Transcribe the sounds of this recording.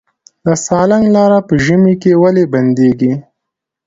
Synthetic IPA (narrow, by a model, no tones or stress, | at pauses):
d̪əsɑlaŋɡlɑɾapəʒəmikewaleband̪eɡi